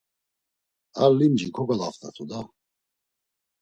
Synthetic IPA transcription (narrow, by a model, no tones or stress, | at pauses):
aɾlimd͡ʒikʰɔɡalaft̪ʰʼa̰t̪ʰud̪a